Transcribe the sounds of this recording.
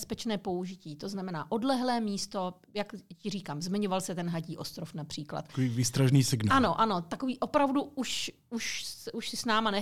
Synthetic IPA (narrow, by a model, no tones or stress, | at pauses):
spɛt͡ʃnɛːpo̞uʒɪciːt̪o̞znamɛnaːʔo̞dlɛɦlɛːmiːst̪o̞ | jakcɪriːkaːmzmɪɲovalsɛt̪ɛnɦaɟiːʔost̪ɾofnapr̥iːkla̰t̪koiːviːst̪ɾaʒniːsɪɡnano̞ʔano̞t̪akoviːʔo̞pɾavduuʃ | uʃsɛʔuʃsɪsnaːmanɛ